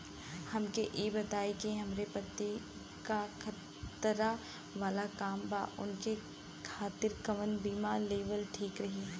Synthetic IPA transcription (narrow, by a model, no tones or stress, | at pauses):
hɐmkeʔeːbɐt̪aːekeɦɐmɾepɐt̪ːi | kakʰɐt̪ | ɾa | ʋaːlakaːmba̰ːʔʊ̰nke | kʰaːt̪ɪɾkɐʋənbiːmaleːʋəlʈʰiːkɾɐɦiː